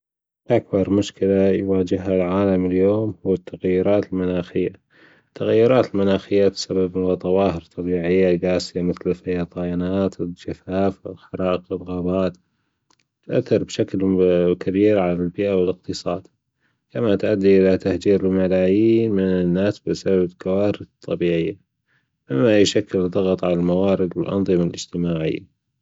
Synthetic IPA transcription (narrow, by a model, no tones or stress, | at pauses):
ʔak̚bɑɾˤmʊʃkɪlajwaːd͡ʒɪhɦalʕaːlamɪljoːmhʊwːat̪ʰːaɣajːʊɾɑːt̪ɪlmʊnaːxɪjːa | t̪ʰːaɣajːʊɾˤɑːt̪ɪlmʊnaːxɪjːat̪sabɪbmʊwat̪ˤɑwɑːhəɾt̪ˤːɑbiːʕɪjːaɡaːsɪjamɪθlɪfajɑt̪ˤɑːjanaːt̪ʰɪd͡ʒafaːfɪlxɑɾˤɑːʔəqɪɾˤɣaːbaːt̪ | t̪ʔaθːɑɾˤbʃaklkʰabiːɾʕalalbɪːʔawɪlɪqt̪ɨsˤɑːd̪̥ | kamat̪ʔad̪ːiʔɪlat̪ahd͡ʒiːɾɪlmalaːjiːnmɪnɪnːaːsbɪsababkawaːɾɪt̪ˤːɑbiːʕɪjːa | mɪmːajʊʃakːɪld̪ˤɑɣɑt̪ˤʕalalmawaːɾɪd̪wɪlʔɑ̰nðˤɨmalʔɪ̰d͡ʒt̪ɪmaːʕɪ̰jːa